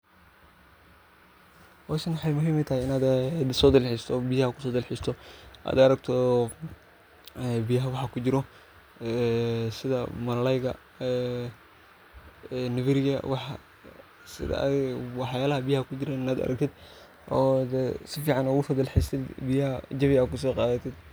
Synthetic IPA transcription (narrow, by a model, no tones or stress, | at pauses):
wɔsɐnwɑħɑjmʊɦiːmɪt̪ʰɐhijɪnaːd̪sɔːd̪ɐlħist̪ʰɔbijɐhɐkʰʊ̥sɔːd̪ɪlħɪst̪ʰɔʔa̰ːd̪ɐɾɐɡ̚t̪ʰɔ | bijɐɦɐwɑħɑkʰʊd͡ʒɪɾɔ | sɪðɐmɐɾlɛjɣɐ | nɪβɪɾɪjɐ̰wɑħɑ̰ | sɪ̰ðɐ̰wɑħjaːlɐɦɐbijɐhɐkʰʊd͡ʒɪɾɛɪnaːd̪ɐ̰ɾʔɐk̚t̪ʰɪd̪ | ɔːd̪ɛsɪfiːʕɑnɔɣʊfɐd̪ɐlħɪst̪ʰɪd̪bɪjɐɦɐd͡ʒɐβiaːd̪̚kʰʊs̬ɔːqɑːðɐt̪ʰɪd̪̚